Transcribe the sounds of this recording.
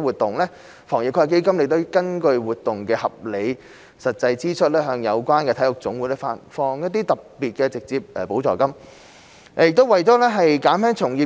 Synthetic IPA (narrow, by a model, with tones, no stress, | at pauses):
wuː˨˩t̚t̪ʊ˨ŋlɛː˥ | fɔː˨˩ŋjɪ˨˩kʰːɐ˨˩ke˥jkɐ˥mle˨˩t̪̬o˥wkɐ˥nkɵ˧ɥwuː˨t̪̚ːʊ˨˩ŋkɛː˧hɐ˨p̚le˨˧j | sɐ˨t̚t͡sɐ˧jt͡siː˥t͡ʃʰɵ˥t̚lɛː˥ɦœː˨˧ŋjɐ˨˧wkʷaː˥nkɛː˧t̪ʰɐ˨˥jʊ˨˩k̚t͡sʊ˨˥ŋwuː˨˥jlɛː˥fa̰ː˧˩nfɔː˧ŋjɐ˥t̚t̪̬ːiː˥t̪ɐ˨p̚piː˨t̚kɛː˧t͡sɪ˨k̚t͡siː˧p̚ʔɛː˨˩po˨˥wt͡sɔ̰ː˨kɐ˥m˨ | jɪ˨k̚t̪o˥wɐ˨˩jtɔː˨˥lɛː˥ɦɐ˨jkaː˨˥nfɛː˥ŋt͡sʰʊ˨˩ŋjiː˧˩